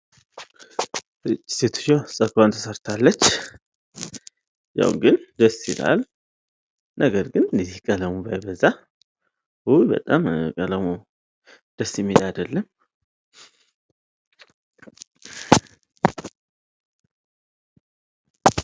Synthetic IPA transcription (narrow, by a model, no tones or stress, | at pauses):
ɨt͡ʃʼːi̥set̪ʰu̥t͡ʃːosʼəkant̪ʰəsəɾt̪ʰalːət͡ʃː | ja̰wṵɡɨnd̪əsːila̰l | nʔəɡəɾɡɨnnizihkʼələmubajbəzːa | hubə̰t̪ʼamkʼələmu | d̪̥əsɪmːelad̪əlːəm